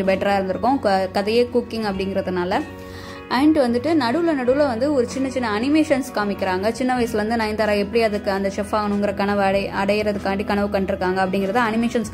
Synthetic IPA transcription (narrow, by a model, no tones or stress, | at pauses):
ɯbɛʈːɐɾaːɪɾɯnd̪ɯɾɯkːʊ̃kɐðɐjeːkuːkːɪŋɐpːɐɽɪŋɡɪɾɐðɯnaːlɐ | ʔɐɪɳɖʋɐnd̪ɯʈːɯnɐɽɯlɐnɐɽɯlɐʋɐnd̪ɯɔɾɯt͡ʃɪnːɐt͡ʃɪnːɐɐnɪmeːʂɐnskaːmɪkːɪɾaːŋɡɐt͡ʃɪnːɐʋɐɪsɪlʋɐnd̪ɯnɐɪnd̪aːɾaːɛpːɐɽiɐðɯkːɯɐnd̪ɐʂɛfaːɣɐnɳʊ̃ɪŋɡɪɾɐkɐɳɐʋɯɽɐɐɽɐjɪɾɐðɯkːaːɐʈːikɐɳɐʋɯkɐɳɖɯɾɯkːaːŋɡɐpːɐɽɪŋɡɪɾɐðt̪ãːɐnɪmeːʂɐns